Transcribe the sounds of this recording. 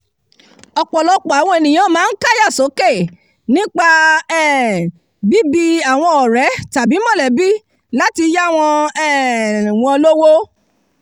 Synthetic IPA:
ɔ˧k͡pɔ˨lɔ˧˦k͡pɔ˨a˨w̃ɔ̃˧e˨nĩ˨j̃ã˨˦mãː˨˦n̩˦ka˦ja˦˨so˨˦ke˦˨ | nĩ˦k͡pa˧ɛ˦˨ | bi˦bi˧a˨w̃ɔ̃˧ɔ˨ɾɛ˨˦ta˨bi˨˦mɔ̃˦˨lɛ˨bi˦ | la˦ti˧ja˦˨w̃ɔ̃˧ɛ˦˨w̃ɔ̃˧lo˦wo˦

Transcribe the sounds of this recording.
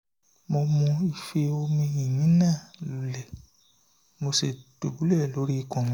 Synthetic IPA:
mo˧mũ˧i˨fe˧o˧mĩ˧ĩ˨mĩ˨˦nãː˦˨lu˨lɛ˨ | mo˧se˨do˨bu˨˦lɛ˦˨lo˨˦ɾi˦i˧˨kɔ̃˧˨ɔ̃˧˦

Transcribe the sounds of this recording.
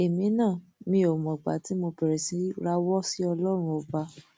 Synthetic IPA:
e˨mĩ˨˦nãː˦˨mĩ˧o˨mɔ̃˨ɡ͡ba̰˨˦ti˦mo˧bɛ˨ɾɛ˨si˨˦ɾa˦wɔ˦si˦ɔ˧lɔ˦ɾ̃ũ˧ɔ˧ba˧˦

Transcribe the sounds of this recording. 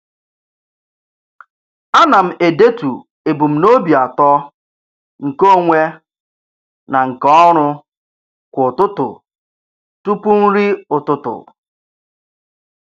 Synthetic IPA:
a˦na˨m̩˨e˨de˦tu˨ | e˨bu˨m̩˨no˦bi˨a˨tɔ˦ | ŋ̩˨ko˦˨ŋʷe˦ | na˨ŋ̩˨kɔ˦ɾʊ˦ | kʷʊ˨tʊ˦tʊ̰˨ | tu˦pu˦n̩˦ɾi˦ʊ˨tʊ˦tʊ̰˨

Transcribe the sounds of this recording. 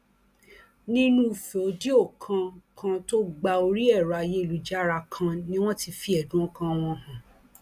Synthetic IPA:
nĩ˦nũ˦˨fe˨o˨˦di˦o˦˨kʰã˧kã˧to˦ɡ͡ba˧o˧ɾi˦ɛ˦˨ɾa˨je˦i˨lu˨d͡ʒa˦ɾa˧kʰã˧nĩ˦w̃ɔ̃˦ti˧fi˧ɛ˨dũ˨˦ɔ̃˦kã˧w̃ɔ̃˧˨hã˨

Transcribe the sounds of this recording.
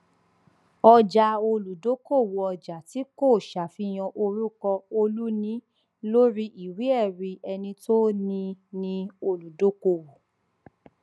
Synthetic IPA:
ɔ˧d͡ʒa˧o˧lu˨do˨˦ko˦˨wo˨ɔ˧d͡ʒa˨ti˨˦ko˦˨ʃa˨fi˧j̃ã˧ʔo˧ɾu˦kɔ˧o˧lu˦nĩ˦ | lo˦ɾi˦ʔi˨wi˨˦ɛ˦˨ɾi˧ɛ˧nĩ˧to˦nĩ˧nĩ˧o˧lu˨do˨˦ko˦˨wo˨

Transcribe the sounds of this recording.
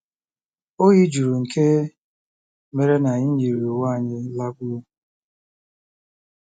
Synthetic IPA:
o˦ɣi˦d͡ʒu˨ɾu˨ŋ̩˨kʰe˦ | me˨ɾe˦na˨ɲi˦ɲi˨ɾi˨o˨wa˦˨ɲɪ˦la˦ɡʷu˦o˦

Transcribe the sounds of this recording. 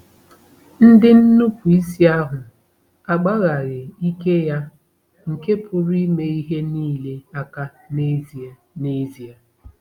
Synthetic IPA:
n̩˦dɪ˦n̩˦nu˦kʷu˨i˦si˦a˦ɦʊ˨ | a˨ɡ͡ba˦ɣa˨ɣɪ˨i˦ke˦ja˦ | ŋ̩˨ke˦pʊ˦ɾi˦me˦i˦ɦe˦niː˦˨le˦a˦ka˦ | ne˦zi˨ | ne˦zi˨a˨

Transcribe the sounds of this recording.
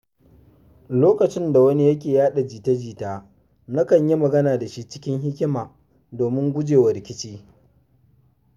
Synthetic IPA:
loː˦kɐ˨t͡ʃɪ˦nda˨wɐ˦ni˦jɐ˦kʲeː˨jaː˦ɗa˨d͡ʒiː˨tɐ˦d͡ʒiː˨taː˦ | na˦kɐ˨ɲji˦mɐ˨ɡɐ˦naː˨da˨ʃi˦t͡ʃɪ̥˦kʲɪ˦ŋɦɪ˦kʲɪ˦maː˨ | doː˨mɪ˦ŋɡʷʊ˦d͡ʒeː˨wɐ˨ɾɪ˨kʲɪ˦t͡ʃiː˦

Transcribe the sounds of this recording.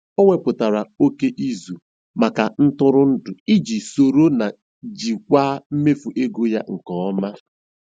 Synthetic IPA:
o˦ŋʷe˨pʊ˨ta˨ɾa˨o˦ke˦ʔi˦zu˨ | ma˨ka˨n̩˦tʊ˦ɾʊ˦n̩˦dʊ˨i˦d͡ʒi˨so˨ɾo˦na˨ | d͡ʒi˨kʷaː˦m̩˦me˦fu˨ʔe˦ɡo˦ja̰˦ŋ̩˨kɔ˨ɔ˦ma˦

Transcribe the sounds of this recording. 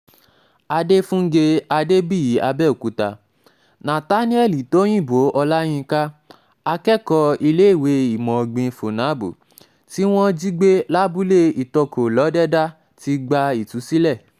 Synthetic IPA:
a˧de˦fũ˦ŋ̩˦ɡe˧a˧de˦bi˦˨ji˨˦ʔa˧bɛ˦˨o˨ku˨˦ta˧ | nã˨ta˦nĩ˦ɛ˦˨li˨to˦j̃ĩ˦˨bo˨˦ʔɔ˧la˦j̃ĩ˧ka˦ | a˧kɛ˦kɔ˧i˧le˦i˦˨we˨˦i˨mɔ̃˨ɡ͡bĩ˧fo˨nã˨˦bṵ˨ | ti˦w̃ɔ̃˦d͡ʒi˦ɡ͡be˦la˦bu˦le˦i˨tɔ˧kʰo˨lɔ˨˦dɛ˦da˦ | ti˧˦ɡ͡ba˧i˨tu˨˦si˦lɛ˦˨

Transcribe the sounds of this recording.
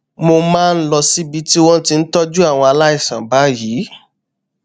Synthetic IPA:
mo˧mãː˦˧n̩˦lɔ˧si˦bi˧ti˦w̃ɔ̃˦ti˧n̩˦tɔ˦d͡ʒu˦a˦˨w̃ɔ̃˧a˧la˦i˦˨sã˨ba˨˦ji˨˦

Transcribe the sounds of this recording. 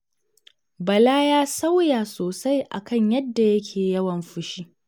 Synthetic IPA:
bɐ˨laː˦jaː˦sa˦wjaː˨soː˨sa˦jʔa̰˨kɐ˦˨ɲjɐ˦dːa˨jɐ˦kʲʰeː˨jɐ˦wɐ˨mɸɪ˦ʃiː˦

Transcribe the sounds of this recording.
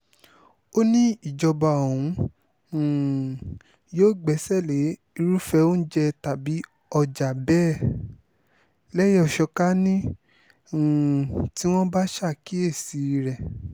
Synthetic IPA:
o˦nĩ˦i˦˨d͡ʒɔ˧ba˨o˨ũ˨˦˨ | joː˦˨ɡ͡bɛ˨˦sɛ˦˨le˨˦ | i˧ɾu˦fɛ˧o˦n̩˦d͡ʒɛ˧ta˨bi˨˦ | ɔ˧d͡ʒa˨bɛː˦ | lɛ˦jɔ˦˨ʃɔ˧ka˦nĩ˦˨ | ti˦w̃ɔ̃˦ba˦ʃa˦˨ki˨˦e˦˨si˨˧ɾɛ˨

